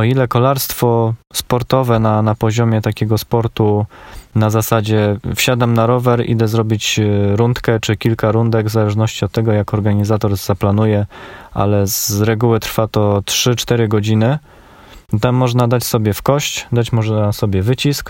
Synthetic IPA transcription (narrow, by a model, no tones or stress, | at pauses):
ɔilɛkɔlaɾst̪fɔspɔɾt̪ɔvɛnanapɔʑɔmʲjɛt̪akʲɛɡɔspɔɾt̪unazasad͡ʑɛfɕad̪amnaɾɔvɛɾḭd̪ɛzɾɔbʲit͡ɕɾunt̪kɛt͡ʂɘkʲilkaɾund̪ɛɡvzalɛʐnɔɕt͡ɕiɔt̪ːɛɡɔjakɔɾɡaɲizat̪ɔɾz̥aplanujɛʔa̰lɛzɾɛɡuwɘt̪ɾfat̪ɔtʂɘt͡ʂt̪ɛɾɘɡɔd͡ʑinɘ | t̪amːɔʐnad̪at͡ɕsɔbʲjɛfkɔɕt͡ɕd̪at͡ɕmɔʐnasɔbʲjɛvɘt͡ɕisk